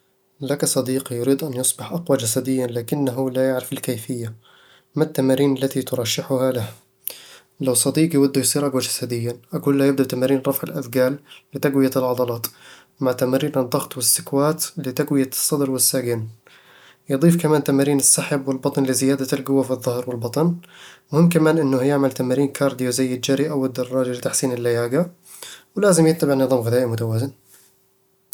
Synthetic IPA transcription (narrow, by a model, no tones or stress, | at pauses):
lakasˤɑd̪iːqijʊɾiːd̪ʔanjʊsˤbɪħʔaqwad͡ʒasad̪ɪjːanlaːkɪnːaɦʊlajaʕɾɪfɪlkajfɪjːa | mat̪ːamaːɾiːnalːat̪it̪ʊɾˤɑʃːɪħʊhalah | lawsˤɑd̪iːqjwad̪ːujsˤiːɾʔaɡwad͡ʒasad̪ɪjːaʔakuːlːajɪb̚d̪aʔt̪amaːɾiːnɾˤɑfʕɪlʔaθɡaːlːɪt̪aɡwɪjaɪlʕɑd̪ˤɑlɑːt̪ | maʕt̪amaːɾiːnɑd̪ˤːɑɣt̪ˤwɪsːɪkwaːt̪lɪt̪aɡwɪjasˤːɑd̪ɾwɪsːaːɡɪn | jɨd̪ˤiːfkamaːnt̪amaːɾiːnɪsːaħabwɪlbɑt̪ˤnlɪzɪjaːd̪alɡʊwːafiðˤːʊhɾwɪlbɑt̪ˤɑnmʊhɪmːkamaːnʔɪnːʊhjɪʕmalt̪amaːɾiːnkʰɑːɾˤd̪ijozajːɪd͡ʒaɾiʔawɪd̪ːɑrˤːɑːd͡ʒalɪt̪aħsiːnɪlːajaːɡa | wlaːzɪmjɪt̪nabanːɨðˤɑːmɣɪðaːʔimʊt̪awaːzɪn